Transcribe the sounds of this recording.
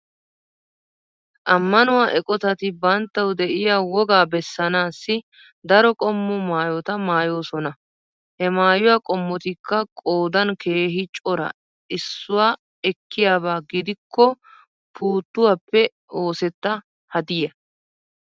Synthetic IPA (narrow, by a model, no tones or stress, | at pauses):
ʔɐmːɐnʊwaːʔɛkʼɔt̪ɐt̪ɪbɐnt̪ːɐwd̪ɛʔɪjaːwɔɡaːbɛsːɐnaːsːɪ | d̪ɐɾɔkʼɔmːʊmaːjɔt̪ɐmaːjoːsɔnɐ | hɛmaːjʊwaːkʼɔmːɔt̪ɪkːɐkʼo̞ːd̪ɐnkʰe̞ːɦɪt͡ʃʼɔɾɐ̰ | ɪsːʊwaː | ɛkːɪjaːbaːɡɪd̪ɪkʰːɔ | pʰuːt̪ːʊwapːɛ | o̞ːsɛt̪ːɐ | hɐd̪ɪjɐ